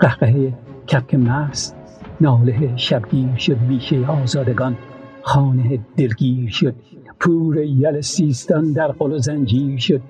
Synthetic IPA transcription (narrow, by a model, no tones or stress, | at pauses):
qæhqeɦeje | kʲʰæp̚kʰemæs | nɒːleɦeʃæbɡiːɾʃod̪̚viːʃejeɒːzɒːd̪eɡɒn | χɑːneɦed̪̥elɡiːɾʃod̪̥̚ | pʰuːɾejælesiːst̪ɑnd̪æɾqolozænd͡ʒiːɾʃod̪̚